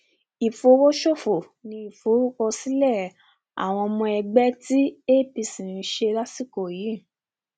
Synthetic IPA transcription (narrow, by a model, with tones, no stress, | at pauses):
i˨fo˧˦wo˦ʃo˦˨fo˨ | nĩ˧i˨fo˨˦ɾu˦kɔ˧si˦lɛ˦˨ | a̰˨w̃ɔ̃˧mɔ̃˧ɛ˧ɡ͡bɛ˦ti˦e˦˨pi˧sĩ˨i˧˦ʃe˧ɾa˦si˦˨ko˨ji˨˦˨